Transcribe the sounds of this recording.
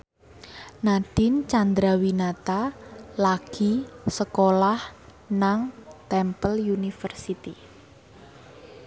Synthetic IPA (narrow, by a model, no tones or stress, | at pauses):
nad̥ɪnt͡ʃand̪ɾawinat̪alaɡ̥isəkolah | naŋt̪ɛmpəljunifərsit̪i